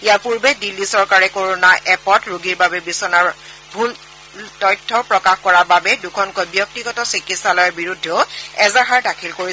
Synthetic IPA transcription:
ijapuɹbedilːisɔɹkaɹɛkoɹonaʔɛpɔtɹuɡiɹbabɛbisɔnaɹ | bʱul | tɔjtʰːɔpɹɔkaxkɔɹababɛdukʰɔnkɔjbjɔk̚tiɡɔtɔsɹikitsalɔjabiɹudʱːɔʊɛzaɦaɹdakʰilkoɹisɛ

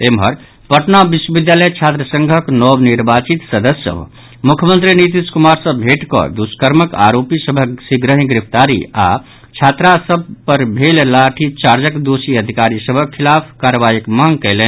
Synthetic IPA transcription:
emɦəɾ | pəʈnabiswəbid̪jaləjt͡ʃʰat̪ɾəsə̃ŋɡʱəknɔbniɾbat͡ʃit̪səd̪əsə̰bʱ | mukʰjəmənt̪ɾinit̪̬iskumaɾsəbʱeʈkɔ̰d̪uskəɾməka̰ɾopisəbʱəksiɡɾəɦĩɡɾipʰt̪aɾḭa̰ | t͡ʃʰat̪ɾasəb̚pəɾbʱellaʈʰit͡ʃaɾd͡ʒəkd̪osiəd̪ʱikaɾisəbʱəkʰːilapʰkaɾəʋajikmaŋɡkɛɪlɛn

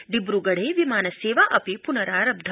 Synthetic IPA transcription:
ɖibɾuɡɐɽ̤eːʋimaːnɐseːʋaʔɐpepunɐɾaːɾɐb̚d̪ʱ

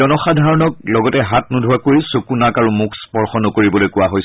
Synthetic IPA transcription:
ɔnɔxadʱaɹɔnɔk̚lɔɡɔtɛɦat̚nudʱuwakoɹisokunakaɹumukʰspɔɹxɔnɔkoɹibɔlojkʊwaɦojs

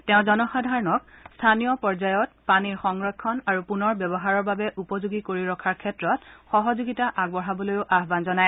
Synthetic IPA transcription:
tɛʊ̃zɔnɔxadʱaɹɔnɔk̚stʰanijɔpɔɹzajɔt̚paniɹxɔŋɹɔkʰːɔnaɹupunɔɹbɛbɔɦaɹɔɹbabɛʔupɔzuɡikoɹiɹɔkʰaɹkʰɛtɹɔt̚xɔɦɔzuɡitaʔaɡ̚bɔɹabɔlojʊʔaɦbanzɔnaj

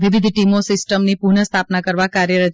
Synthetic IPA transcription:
ʋiʋɪd̪ʱʈimosɪsʈəmnipuɾɳəst̪ʰapnakəɾʋakaɾjəɾə

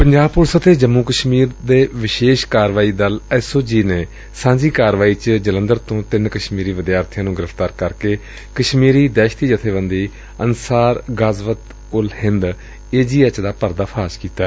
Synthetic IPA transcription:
pəɲd͡ʒaːb̚pʊɾsət̪ʰeːd͡ʒəmːuːkəʃmiːɾd̪eːʋɪʃeːʃkaːɾʋaːiːd̪əlɛːsoːd͡ʒiːneː | sãːɲd͡ʒiːkaːɾʋaːiːt͡ʃd͡ʒələ̃nd̪əɾt̪õːt̪ɪnkəʃmiːɾiːʋɪd̪jaːɾt̪ʰɪjãːnũːɡɪɾəfʰt̪aːɾkəɾkeː | kəʃmiːɾiːd̪ɛːʃt̪iːd͡ʒət̪ʰeːʋə̃nd̪iː | ənsaːɾɡazʋət̪ | ʊlhɪnd̪ | eːd͡ʒiːət͡ʃd̪aːpəɾd̪aːpʰaːʃkiːt̪aɛ

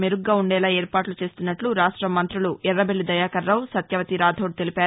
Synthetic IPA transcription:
meɾuɡːaːuɳɖɛːlaːeːɾpaːʈlut͡ʃe̞ːst̪unːɐʈluɾaːʂʈɾɐmːɐnt̪ɾuluɛɾːɐbelːid̪ɐjaːkɐɾːɐwsɐt̪jɐʋɐt̪iɾaːd̪ʱoːɽ̚t̪elipaːɾ

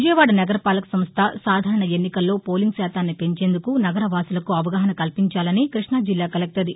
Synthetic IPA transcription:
ʋud͡ʒɐjɐʋaːɽɐnɐɡɐɾɐpaːlɐksɐmst̪ʰɐsaːd̪ʱaːɾɐɳɐe̞nːikɐlːo̞ːpo̞ːliŋɡsaːt̪aːnːipe̞ɲt͡ʃe̞ːnd̪ukunɐɡɐɾɐʋaːsulɐkuɐʋɐɡaːɦɐnɐkɐlpiɲt͡ʃaːlɐnikɾiʂɳad͡ʒilːaːkɐlɐk̚t̪ɐd̪i

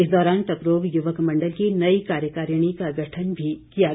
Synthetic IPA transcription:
ɪsd̪ɔːɾaːnʈɐkɾoːʋjʊʋəkmɐ̃ɳɖəlkinɐikaːɾjəkaːɾjəɽ̃ikaɡʱɐʈʰənbʱikija

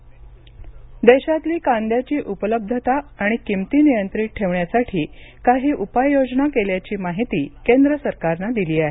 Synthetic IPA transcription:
d̪eɕat̪liːkand̪jat͡ɕiːʔupələb̚d̪ʱət̪aːɽ̃ikimt̪iːnijənt̪ɾiːʈ̚ʈʰeʋɳjasaʈʰiːkaɦiːʔupajjod͡ʑnakeljat͡ɕiːmaɦit̪iːkend̪ɾəsəɾkaɾnad̪iliːaɦe

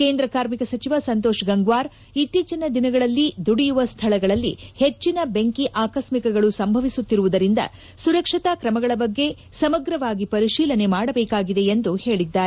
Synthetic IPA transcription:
ke̞ːnd̪ɾɐkaːɾmikɐsɐt͡ʃiʋɐsɐnt̪oːʃɡɐŋɡʋaːɾ | it̪ːiːt͡ʃɐnɐd̪inɐɡɐɭɐlːid̪uɽijuʋɐst̪ʰɐɭɐɡɐɭɐlːihe̞t͡ʃːinɐbeŋkiʔaːkɐsmikɐɡɐɭusɐmbʱɐʋisut̪ːiɾuʋud̪ɐɾind̪ɐ̰ | suɾɐkʂit̪akɾɐmɐɡɐɭɐbɐɡːe̞sɐmɐɡɾɐʋaːɡipɐɾiʃiːlɐne̞maːɽɐbɛːkaːɡid̪e̞end̪uhe̞ːɭid̪ːaːɾe

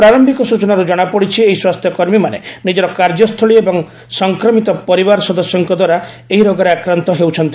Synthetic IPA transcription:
pɾaɾɔmbʱikɔsut͡ʃɔnaɾud͡ʒɔɽ̃apɔɽit͡ʃʰieɦiswast̪ʰjɔkɔɾmimanenid͡ʒɔɾɔkaɾd͡ʒɔst̪ʰɔɭiebɔŋ | sɔŋkɾɔmit̪ɔpɔɾibaɾɔsɔd̪ɔsjɔŋkɔd̪waɾa | eɦiɾɔɡaɾeakɾant̪ɔɦewt͡ʃʰɔnt̪i

